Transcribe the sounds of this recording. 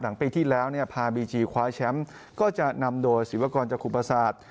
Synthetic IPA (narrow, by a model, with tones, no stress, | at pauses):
la˩˦ŋpiː˧t̪ʰiː˥˩lɛː˦˥wni˥˩ɐpʰaː˧biː˧t͡ɕiː˧kʰwaː˦˥t͡ɕʰɛ˦˥m | kɔː˥˩t͡ɕa˨˩na˧mdoː˧jsi˩˦wa˧kɔː˧nt͡ɕaː˨˩kʰːu˨˩pʰːa˧saː˨˩t̪̚